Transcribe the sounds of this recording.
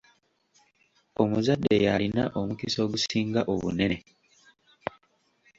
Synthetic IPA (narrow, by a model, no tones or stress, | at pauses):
o̞muzadːe̞jalinaʔo̞mukiso̞ːɡusiːŋɡaʔo̞βṵne̞ne